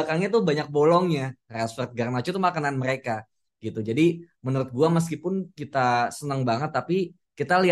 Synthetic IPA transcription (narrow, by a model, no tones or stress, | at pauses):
akaŋɲat̪uhbaɲak̚bolɔŋɲarasfərt̪̚ɡarmat͡ʃut̪uhmakananməɾeka | ɡ̥it̪ud͡ʒadi | mənuɾʊt̪̚ɡuaməs̬kipʊnkit̪asənəŋbaŋət̪ːapi | kit̪ali